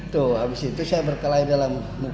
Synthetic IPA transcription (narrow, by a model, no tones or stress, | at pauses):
t̪uabisit̪usajabərkalaidalamːu